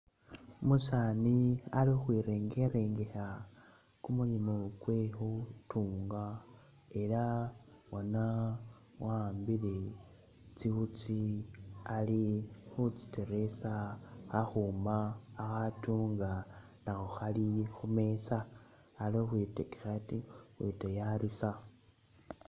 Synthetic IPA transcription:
musaːnialixwiɾe̞ŋɡeɾe̞ːŋɡe̞xa | kumuɲimukwexutʰuːŋɡa | e̞ɾa | wona | waːmbile̞ | t͡sixut͡si | alixut͡si̥te̞ɾe̞saxaxuːmaːxatuːŋɡa | naxuxalixume̞saː | loxwetekexatixwetejaɾisa

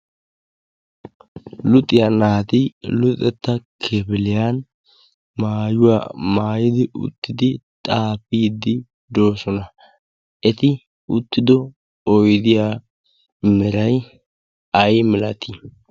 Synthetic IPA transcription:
lʊt̪ʼɪjanaːt̪ɪlʊt̪ʼɛt̪ːɐkʰɛbɪlɪjan | maːjʊwa̰ːmaːjɪd̪ɪʔʊ̰t̪ːɪd̪ɪt̪ʼaːpiːd̪ɪ | d̪o̞ːsɔnɐ | ʔɛt̪ɪ | ʊt̪ːɪd̪ɔ | ɔjd̪ɪjaː | mɛɾɐj | ɐjmɪlɐt̪i

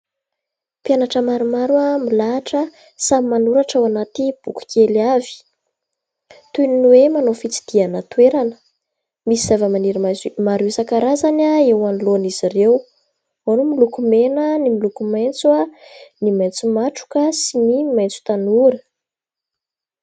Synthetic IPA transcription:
pjanaʈ͡ʂəmaɾumaɾuamilaːʈ͡ʂə | samimanuɾaʈ͡ʂawanat̪ib̥uku̥kʰʲelavi̥ | t̪uniniwemanofit͡si̥d̪̥ianət̪weɾanə̥ | misiz̥avəmaniɾiamaɾuisakaɾazanaewanilonizirew | anumilukumenənimilukumajnt͡suanimajnt͡sumaʈ͡ʂu̥kəsinimajnt͡su̥t̪anuɾə

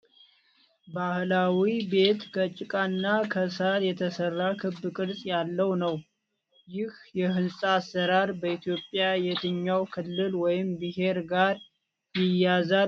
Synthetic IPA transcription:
bahlawibe̞t̪kʰət͡ʃʼɪkʼanːakʰəsaljɛt̪ʰəsərːakʰɨbːɨkʼɨɾsʼjalːəwnəw | jɪhjɛɦɨnsʼasːəɾaɾbəit̪ʰjo̞pʼjajɛt̪ʰɨɲːawkʰɨlːɨlwɔjɪmbɨɦe̞ɾɡaɾ | jɪjaza

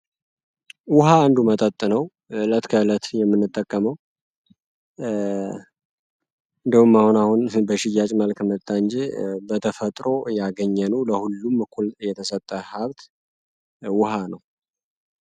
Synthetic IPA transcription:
wʊɦaːnd̪umət̪ʼət̪ʼːɨnəw | lət̪kʰələt̪jɛmːɨnːɨt̪ʼːəkʼːəməw | ɨnd̪ihumːahunahunbəʃɪjat͡ʃʼməlkmət̪ʼːand͡ʒebət̪ʰəfət̪ʼɾo̞jaɡəɲːənuləhulːumːkʰuljɛt̪ʰəsət̪ʼːəhaβt̪ | wʊhanəw

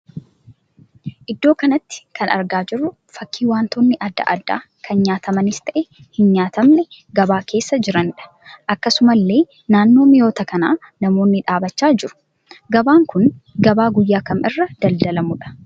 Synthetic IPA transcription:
ʔɪd̪ːo̞ːkɐnɐt̪ːɪ̥kɐnɐ̰ɾɡaːd͡ʒɪrːʊ | fɐkːiːwaːnt̪oːnːɪʔɐd̪ːɐ̰ʔɐ̰d̪ːa̰ː | kʰɐnɲaːt̪ʰɐmɐnɪst̪ɐʔɛ | hɪnɲaːt̪ɐmnɛ | ɡɐbaːkʰe̞ːsːɐd͡ʒɪɾɐnᶑɐ̥ | ʔɐkːɐsʊmɐlːe̞ː | naːnːo̞ːmɪjoːt̪ɐkɐnaː | nɐmo̞ːnːɪᶑaːbɐt͡ʃːaːd͡ʒɪɾʊ̥ | ɡɐbaːŋkʊnɡɐbaːɡʊjːaːkɐmɪrːɐd̪̥ɐld̪ɐlɐmʊᶑɐ̥

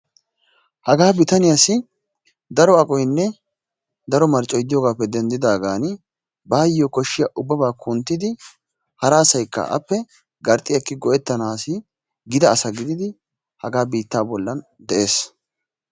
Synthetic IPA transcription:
hɐɡaːbɪt̪ɐnɪjasɪ | d̪ɐɾɔɐkʼɔjnːɛ | d̪ɐɾɔmɐɾt͡ʃʼːɔjd̪ɪjɔɡaːpːɛd̪ɛnd̪ɪd̪aːɡaːn | baːjːɔkɔʃːɪjɐʔʊbːɐbaːkʰʊnt̪ːɪd̪ɪ | hɐɾaːsɐjkːɐ̰ʔɐ̰pːɛ | ɡɐɾt̪ʼːɪjɐkːɪɡɔʔɛt̪ːɐnaːsɪ | ɡɪd̪ɐːsɐɡɪd̪ɪd̪ɪ | hɐɡaːbiːt̪ːaːbɔlːɐnd̪ɛʔe̞ːs

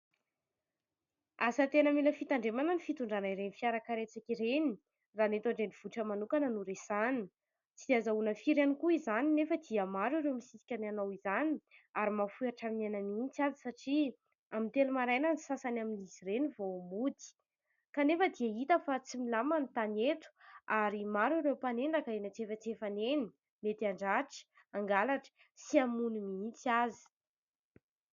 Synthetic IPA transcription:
asət̪enəmeləfit̪aɳɖ͡ʐemananifit̪uɳɖ͡ʐanaiɾenifiaɾakaɾet͡sakʲiɾeni | ranet̪aɳɖ͡ʐeniv̥uʈ͡ʂəmanukanənuɾesani̥ | t͡sid̪azaunəfiɾanikuizaninefəd̪iamaɾuɾeomisisi̥kʲananowizaniaɾimafuaʈ͡ʂaminananint͡sazi̥saʈ͡ʂi | amint̪elumaɾajnanisasanaminiziɾenivomud̪i̥ | kanefəd̪iait̪əfat͡similamanit̪anet̪u̥aɾimaɾaɾewpanend̪akaenat͡sefət͡sefaneni | met̪iaɳɖ͡ʐaʈ͡ʂə̥ | aŋɡalaʈ͡ʂə̥ | siamunimiint͡sazi̥

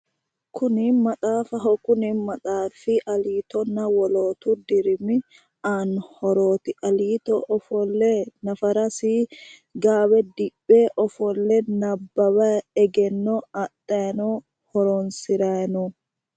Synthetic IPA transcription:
kʊnɪmɐtʼaːfɐɦɔkʊnɪmɐtʼaːfɪʔɐliːt̪ɔnɐwɔloːt̪ud̪ɪɾmɪ | aːnhɔɾoːt̪ɪɐliːt̪ɔʔɔfɔlːɛnɐfɐɾɐsiː | ɡaːwɛd̪ɪbʼːeːʔɔfɔlːɛnɐbːɐwɐɛɡɛnːɔɐt̪ʼːɐnɔ | hɔɾonsɪɾanu

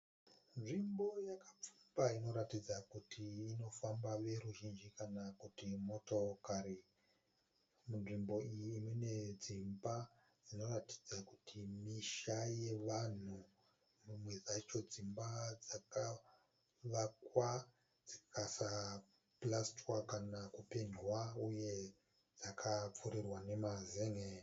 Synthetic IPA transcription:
nʐimbo̞jakap͡fu̥mbaino̞ɾatid͡zakutʰiːno̞fambaʋe̞ɾuʒind͡ʒikanakutimo̞tokaɾi | munʐimbo̞ijiːmwene̞d͡zimba | d͡zino̞rati̥d͡zakutʰimiʃaje̞ʋan̤u | mumwe̞d͡zat͡ʃo̞d͡zimbad͡zaka | ʋakwa | d͡zikasa | plastwakanakupe̞ɲwauje̞ | d͡zakʰap͡fuɾirwane̞mazeŋe

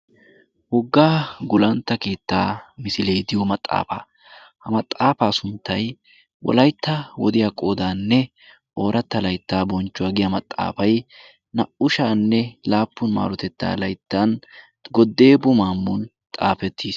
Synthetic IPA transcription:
hɔɡːaːɡʊlɐnt̪ːɐkeːt̪ːaːmɪsɪlejd̪ɪjɔmɐt̪ʼːa̰ːfa̰ː | hɐmɐt̪ʼːaːfaːsʊnt̪ːɐj | wɔ̰lɐjt̪ːɐwɔd̪ɪjakʼo̞ːd̪aːnːɛ | ʔo̞ːɾɐt̪ːɐlɐjt̪ːaːbɔnt͡ʃːʊwaːɡɪjɐmɐt̪ʼːa̰ːfɐj | nɐʔʊʃaːnːɛlaːpːʊnma̰ːɾɔt̪ɛt̪ːa̰ːlɐjt̪ːan | ɡɔd̪ːe̞ːbʊmaːmːʊn | t̪ʼaːfɛt̪ʰːiːs

